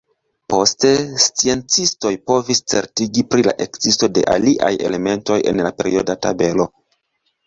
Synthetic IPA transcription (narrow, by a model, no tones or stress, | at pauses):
po̞ste̞st͡sie̞nt͡sisto̞jpo̞vist͡se̞̰ɾtiɡipɾila̰ʔe̞kz̥isto̞de̞̰ʔa̰liʔa̰je̞le̞me̞nto̞je̞̰nlape̞ɾio̞data̰be̞lo̞